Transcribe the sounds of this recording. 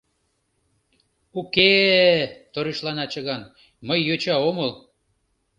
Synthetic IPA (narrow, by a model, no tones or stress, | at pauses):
uke | t̪oɾiʃlɑnɑt͡ɕə̆ɣɑn | məjːøt͡ɕɑoməl